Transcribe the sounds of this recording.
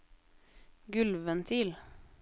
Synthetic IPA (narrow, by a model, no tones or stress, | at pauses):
ɡʉlʋənt̪ʰɪl